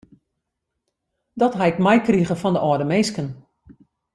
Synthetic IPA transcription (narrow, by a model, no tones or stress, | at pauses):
dɔtɦaɪkmɛjkriɣəfɔndəʔɔdəmeːskən